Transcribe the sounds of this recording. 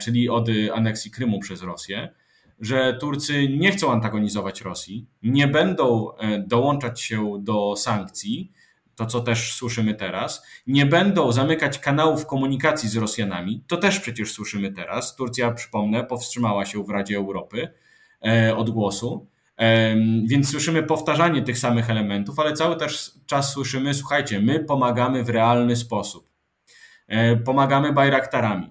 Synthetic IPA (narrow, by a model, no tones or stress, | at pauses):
t͡ʂɘlʲiɔd̪a̰nɛksʲjikɾɘmupʂɛzɾɔsʲjɛ | ʐɛt̪uɾt̪sɘɲɛxt̪sɔ̃w̃ant̪aɡɔɲizɔvat͡ɕɾɔsʲjiɲɛbɛnd̪ɔ̃w̃d̪ɔwɔnt͡ʂat͡ɕɕɛd̪ɔsaŋkt̪sʲi | t̪ɔt̪sɔt̪ɛʂswɘʂɘmɘt̪ɛɾasɲɛbɛnd̪ɔ̃w̃zamɘkat͡ɕkanawufkɔmuɲikat̪sʲjizɾɔsʲjana̰mʲit̪ɔt̪ɛʂpʂɛt͡ɕɛʂswɘʂɘmɘt̪ɛɾa̰st̪uɾt̪sʲjapʂɘ̥pɔmnɛpɔfstʂɘmawaɕɛvɾad͡ʑɛːwɾɔpɘ | ɔd̪ɡwɔsu | vʲjɛnt̪sːwɘʂɘmɘpɔft̪aʐaɲɛt̪ɘxsamɘxɛlɛmɛnt̪ufalɛt̪sawɘt̪ɛʂt͡ʂasːwɘʂɘmɘs̬wuxajt͡ɕɛmɘpɔmaɡamɘvɾɛalnɘs̬pɔsup̚ | pɔmaɡamɘbajɾakt̪aɾamʲḭ